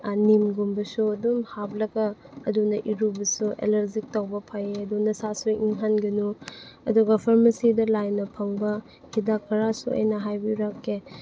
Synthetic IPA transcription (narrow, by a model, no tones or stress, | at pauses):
nimɡumbɐsuɐdumhab̚lɐɡɐː | dunɐʔiɾubɐsuʔḛlɐɾzik̚tɐwbɐpʰajeɐdunɐsasuiʔiŋɦanɡɐnuɐduɡɐpʰɐɾmɐsidɐlajnɐpʰɐŋbɐ | hidakʰɐɾasṵɐ̰jnɐɦajbiɾakːe